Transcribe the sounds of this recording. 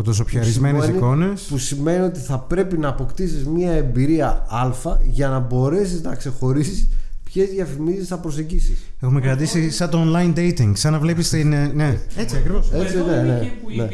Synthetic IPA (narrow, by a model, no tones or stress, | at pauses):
ot̪os̬opçɐɾizme̞nesiko̞ne̞spusime̞nio̞t̪iθɐpɾe̞pinɐːpo̞kt̪isizmiɐembiɾiɐɐlfɐʝɐnɐbo̞ɾe̞siznɐkse̞xo̞ɾisispçe̞zðjɐfimizisθɐpɾo̞seɟisis | e̞xumekɾɐt̪isisɐt̪oonlɐjnd̪ejt̪iŋɡsɐnɐvle̞pist̪inneet͡siɐkɾivoset͡sinenene